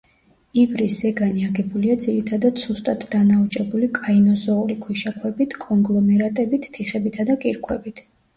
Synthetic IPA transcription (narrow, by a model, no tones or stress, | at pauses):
ivɾiszɛɡaniaɡɛbuliad̪ziɾit̪ʰad̪ad̪̥sust̪ʼat̪ʰd̪anaut͡ʃʼɛbulikʼainɔzɔuɾikʰwiʃakʰwɛbit̪ʰkʼɔŋɡlˠɔmɛɾat̪ʼɛbit̪ʰːiχɛbit̪ʰad̪akʼiɾkʰʼwɛbit̪ʰ